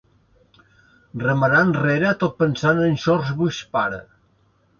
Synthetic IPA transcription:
rəməɾanreɾət̪ot̪̚pənsanənʲʃɔrzβuspaɾə̰

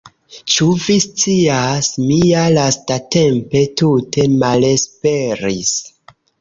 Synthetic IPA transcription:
t͡ʃuvist͡siasmialastate̞mpe̞tutʰe̞male̞spe̞ɾis

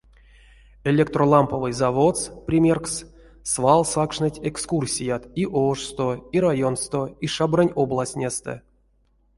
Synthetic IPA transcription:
elʲekt̪rolˠampəvɨjzavot̪sprʲimʲerks | svalˠsakʂnɨtʲekskursʲijat̪iʔoʂst̪oiɾajo̞nst̪oiʂabranʲoblˠasʲnʲest̪ɛ̰

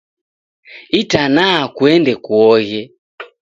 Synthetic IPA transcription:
itanaakuɛndɛkuɔɣɛ

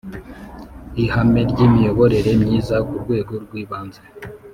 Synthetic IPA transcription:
ihame̞ɾɟimijo̞βo̞ɾe̞ɾe̞mɲiːzakuɾɡwe̞ːɡo̞ɾɡwiːβaːnze

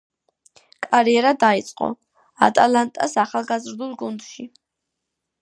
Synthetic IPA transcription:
kʼaɾiɛɾad̪ait̪sʼqʼɔ̰ | a̰t̪ʼalˠant̪ʼasaχalˠɡazɾd̪ulˠɡund̪ʃi

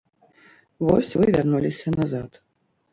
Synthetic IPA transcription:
vɔ̰sʲvɨvʲarnulʲisʲɐnazat̪

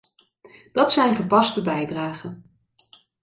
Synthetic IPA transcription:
d̥ɑtsɛjnχəpɑstəbɛjdraːχən

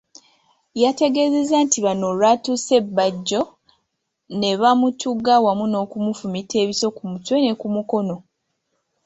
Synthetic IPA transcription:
jate̞ɡe̞ze̞zantiβanolatuse̞bːaɟːo̞ | ne̞βamutuɡawamuno̞ːkumufumitʰe̞ːβiso̞kumutwe̞ne̞kumuko̞no̞

